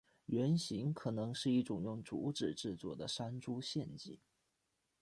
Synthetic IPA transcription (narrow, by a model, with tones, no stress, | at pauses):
ɥɛ˧˥nɕi˧˥ŋkʰɤ˨˩nɤ˧˥ŋʂɻ̩˥˧i˥˩ʈ͡ʂʊ˨˩ŋjʊ˥˩ŋt͡su˧˥ʈ͡ʂɻ̩˨˩ʈ͡ʂɻ̩˥˧t͡swɔ˥˩d̪ə˩ʂa˥nʈ͡ʂu˥ɕjɛ˥˧nt͡ɕḭ˥˩˦